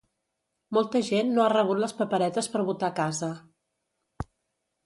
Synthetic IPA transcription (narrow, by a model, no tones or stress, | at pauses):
molˠt̪əʒenːoarəβ̞ut̪ləspəpəɾɛt̪əspəɾβut̪akazə